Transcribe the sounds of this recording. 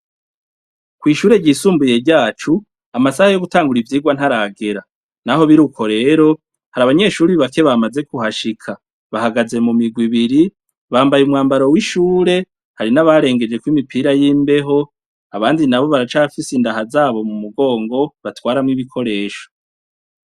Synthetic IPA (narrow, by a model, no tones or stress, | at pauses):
kwiːʃuːɾe̞ɟiːsuːmbuje̞ɾɟaːt͡ʃu | amasahajo̞ɡutaːŋɡuɾivjiːɡwan̥haɾaɡeɾa | naɦo̞βiɾuko̞ɾe̞ːɾo̞ | haɾaβaɲe̞ʃuːɾiβake̞βamaze̞kuhaʃikʰa | βahaɡaze̞mumiɡwiβiɾi | βaːmbajumŋaːmbaɾo̞wiʃuːɾe̞ | haɾinaβaɾe̞ːŋɡe̞d͡ʒe̞kwimipʰiːɾajiːmbe̞ɦo̞ | aβaːndinaβo̞βaɾat͡ʃaafisindaɦazaːβo̞mumuɡo̞ːŋɡo̞βatwaːɾamŋiβikʰo̞ɾe̞ːʃo̥